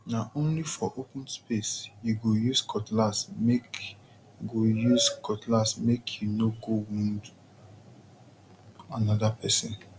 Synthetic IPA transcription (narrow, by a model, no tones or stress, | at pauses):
naʔõnlifɔʔopũnspesjuɡojuskʰɔtlasmek | ɡojuzkʰɔtlasmekʰjunoɡowũnd | anɔdapʰɛsɪ̃n